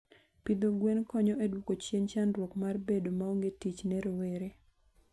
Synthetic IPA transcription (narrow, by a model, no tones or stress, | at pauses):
pid̪oɡwenkɔɲɔedwokot͡ʃjeɲt͡ʃanwokmarbedomaoŋɡetit͡ʃnɛɾoweɾe